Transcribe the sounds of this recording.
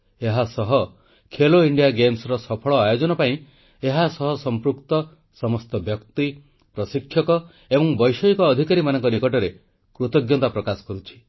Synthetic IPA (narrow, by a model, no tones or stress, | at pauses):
eɦasɔɦɔ | kʰeloiɳɖijaɡemsɾɔsɔpʰɔɭɔajod͡ʒɔnɔpaĩ | eɦasɔɦɔsɔmpɾukt̪ɔ | sɔmɔst̪ɔbjɔkt̪i | pɾɔsikʰːjɔkɔ | ebɔŋbɔjsɔikɔːd̪ʱikaɾimanɔŋkɔnikɔʈɔɾe | kɾut̪ɔɡjɔt̪apɾɔkasɔ̥kɔɾut͡ʃʰi̥